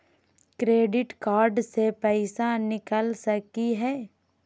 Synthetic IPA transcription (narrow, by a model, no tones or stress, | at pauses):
kɾeːɖɪʈkaːɾɖsepɛːɪsanɪkəlsɐkiɦɛː